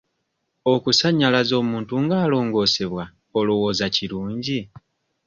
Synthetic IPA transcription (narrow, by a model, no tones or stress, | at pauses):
o̞kusaɲːalazo̞ːmuːntuŋɡaːlo̞ːŋɡo̞ːse̞βwa | olowo̞ːzaciɾuːɲɟi